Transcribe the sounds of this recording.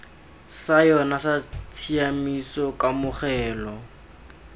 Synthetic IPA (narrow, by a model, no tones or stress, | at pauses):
sajɔnasat͡sʰiamisɔkamʊχɛːlɔ